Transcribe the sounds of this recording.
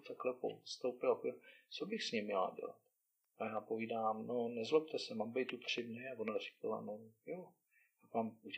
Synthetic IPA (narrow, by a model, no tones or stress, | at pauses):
t̪aklɛpo̰st̪owpɪlapoidat͡sobɪxsɲɪmɲɛla̰ɟɛ̰la̰t̪ | ajaːpoviːdaːmnonɛzlɛpt̪ɛsɛmaːmbɛjt̪upr̝̥ɪdnɪavonarɛ̥kala̰nojo | akvaːmu